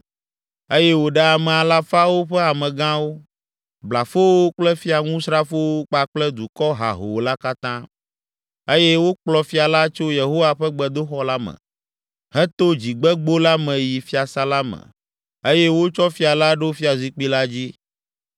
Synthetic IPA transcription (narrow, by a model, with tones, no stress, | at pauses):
e˦jɛ˦wo˨ɖɛ˦a˨mɛ̃˨a˨la˦fa˦wo˦ɸɛ˦a˨mɛ̃˨ɡã˦wo˦ | bla˨fo˦woo˦k͡plɛ˦fi˦a˨ŋũ˦sɾa˦fo˦wo˦k͡pa˨k͡plɛ˦d̪u˨kɔ˦ɦa̰˨ɦo̰˨la˦ka˦t̪ã˦ | e˦jɛ˦wo˦k͡plɔ˦fi˦a˨la˦t͡ʃo˦je˨ɦo˦wa˦ɸɛ˦ɡ͡bɛ˨d̪o˦xɔ˦la˦mɛ̰̃˨ | ɦɛ̃˦t̪o˦d͡ʑi˨ɡ͡bɛ˦ɡ͡bo˦la˦mɛ̃˨ji˨fi˦a˨sa˦la˦mɛ̰̃˨ | e˦jɛ˦wo˦t͡ʃɔ˦fi˦a˨la˦ɖo˦fi˦a˨zi˨k͡pi˦la˦d͡ʑi˦